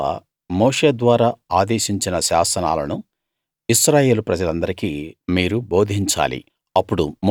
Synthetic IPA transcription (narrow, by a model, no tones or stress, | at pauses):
a̰ | moːʂeːd̪ʋaːɾaːaːd̪eːʃiɲt͡ʃinɐʃaːsɐna̰ːlɐnu | iʃɾaːje̞ːlupɾɐd͡ʒɐlɐnd̪ɐɾikiːmiːɾubo̞ːd̪ʱiɲt͡ʃa̰ːlḭ | ɐpːuɽum